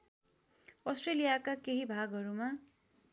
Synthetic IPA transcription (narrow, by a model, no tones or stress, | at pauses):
ʌsʈrelijakakeɦibʱaɡʌɾuma